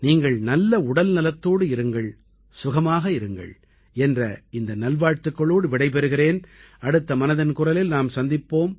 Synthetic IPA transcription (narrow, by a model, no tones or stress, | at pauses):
niːŋɡɐɭnɐlːɐʊɽɐlnɪlɐt̪ːoːɽɯɪɾɯŋɡɐɭ | sʊɣɐmaːɣɐɪɾɯŋɡɐ̰ɭ | ɛndrɐɪnd̪ɐnɐlʋaːɻt̪ɯkːɐɭoːɽɯʋɪɽɐɪp̬ɛɾɯɣɪreːnɐɽɯt̪ːɐmɐnɐðɪnkʊrɐlɪlnaːmsɐnd̪ɪpːoːm